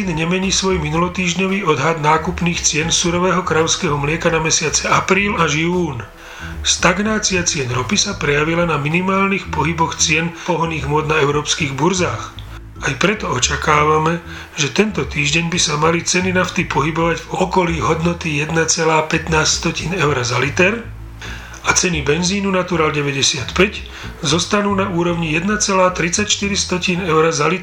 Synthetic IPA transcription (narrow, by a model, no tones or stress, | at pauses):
inɲɛmɛɲiːsʋɔjminulɔt̪iːʒɲɔʋiːɔd̪ɦad̪naːkupniːxt͡sɪɛnsuɾɔʋɛːɦɔkɾaʊskɛɦɔmlɪɛkanamɛsɪat͡sɛapɾiːlaʒjuːn | st̪aɡnaːt͡siat͡sɪɛnɾɔpisapɾɛjaʋilanaminimaːlnixpɔɦibɔxt͡sɪɛnpɔɦɔniːɣmʊɔd̪̚naɛʊɾɔːpskiːɣbuɾzaːx | ajpɾɛt̪ɔɔt͡ʃakaːʋamɛ | ʒɛt̪ɛnt̪ɔt̪iːʒɟɛɲbisamalit͡sɛninaft̪ipɔɦibɔʋaɟvɔkɔliːɦɔd̪nɔt̪ijɛd̪nat͡sɛlaːpɛt̪naːsst̪ɔciːnɛʊɾazalit̪ɛɾ | at͡sɛnibɛnziːnunat̪uɾaːlɟɛʋɛɟɛsɪat̪pɛc | zɔst̪anuːnauːɾɔʊɲijɛd̪nat͡sɛlaːt̪ɾit͡sacʃt̪iɾist̪ɔciːnɛʊɾazalit̪